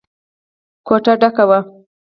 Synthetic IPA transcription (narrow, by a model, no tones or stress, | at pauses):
koʈaɖakawa